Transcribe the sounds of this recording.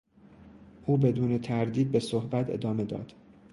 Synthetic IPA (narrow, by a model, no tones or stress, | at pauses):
ʔuːbe̞d̪uːne̞t̪ʰæɾd̪iːd̪̚be̞sohbæt̪ʰe̞̰d̪ɒːme̞d̪ɒ̰ːd̪̥